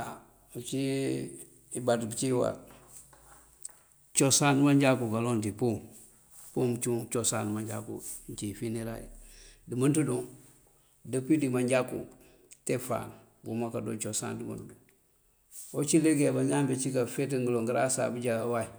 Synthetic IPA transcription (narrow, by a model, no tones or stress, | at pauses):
a | ut͡ʃi | ibatbit͡ʃiwa̰ | t͡ʃosanmaɲd͡ʒakukalontipum | pumt͡ʃut͡ʃosanmaɲɟa̰kṵnt͡ʃifineɾa̰jḭdimantuduŋ | dapidimaɲɟakṵ | tefa̰n | bumakado̰ːt͡ʃosa̰ndima̰ntudu | ot͡ʃileɡebaɲambet͡ʃikafetəŋɡəloŋɡəɾasa̰bid͡ʒawai